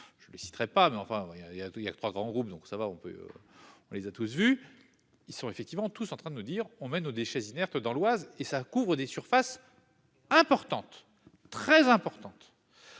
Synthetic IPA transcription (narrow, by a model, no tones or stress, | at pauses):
ʒ̥ələsi̥t̪ʁɛpamɛɑ̃fɛ̃iaijailja̰t̪χwaɡʁɑ̃ɡʁup̚d̪ɔ̃ksavaɔ̃pø̰ | ɔ̃lezat̪us̬vy | ilsɔ̃efɛk̚t̪ivmɑ̃t̪usɑ̃t̪χɛ̃d̪ənud̪iʁɔ̃mɛnod̪eʃɛzinɛʁt̪d̪ɑ̃lwazesakuvʁəd̪esyʁfas | ɛ̃pɔʁt̪ɑ̃t̪ː | χɛzɛ̃pɔʁt̪ɑ̃t̪